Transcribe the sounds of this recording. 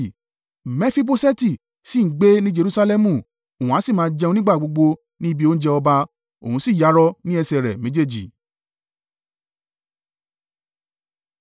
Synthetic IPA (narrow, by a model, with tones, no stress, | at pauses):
mɛ̃˦fi˦bo˦sɛ˦ti˦˨ | si˦˨˦ɡ͡be˦nĩ˦d͡ʒe˧ɾu˦sa˧lɛ˦mũ˦˨ | o˨ũ˨a˨˦si˦˨mãː˨˧˦d͡ʒɛ˧ũ˧nĩ˦ɡ͡ba˦˨ɡ͡bo˧ɡ͡bo˧ | nĩ˦i˦bi˦o˦n̩˦d͡ʒɛ˧ɔ˧ba˧ | o̰˨ũ˧˦si˦˨ja˨˦ɾɔ˧nĩ˦ɛ˧sɛ˨ɾɛ̰˨mẽ˨˦d͡ʒe˦˨d͡ʒi˨